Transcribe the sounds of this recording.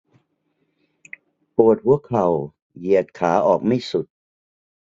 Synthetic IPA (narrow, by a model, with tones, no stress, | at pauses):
pu˨˩ət̪̚pʰu˥˩əkʰa˨˩w | ji˨˩ət̪̚kʰaː˩˦ʔɔː˨˩k̚ma˥˩jsu˨˩t̪̚